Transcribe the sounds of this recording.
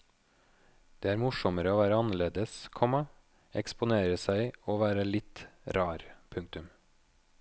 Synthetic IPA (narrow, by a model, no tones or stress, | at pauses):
d̪̥eːæːɾmʊʃɔməɾəoːʋæːɾəɑnəɭeːd̪əskʰɔmɑ | ɛkspʊneːɾəsæɪoːʋæːɾəlɪt̪ɾɑːɾpʰʉŋk̚t̪ʉm